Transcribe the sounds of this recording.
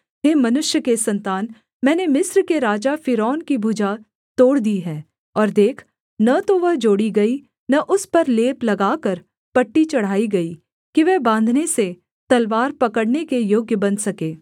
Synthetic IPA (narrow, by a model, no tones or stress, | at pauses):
ɦeːmɐnʊʃjəkesɐ̃nt̪aːn | mɛ̃ːnemɪsɾkeɾaːd͡ʒafɪɾɔːnkibʱud͡ʒa | t̪oːɽd̪iːɦɛ̃ː | ɔːɾd̪eːkʰ | nɐt̪oʋɐɦd͡ʒoːɽiɡɐi | nɐʔʊspɐɾleːplɐɡaːkəɾ | pɐʈːit͡ʃɐɽ̤aːiɡɐi | kiʋɛɦbãːnd̪ʱnese | t̪ɐlʋaːɾpɐkəɽnekejoːɡjəbɐnsɐkeː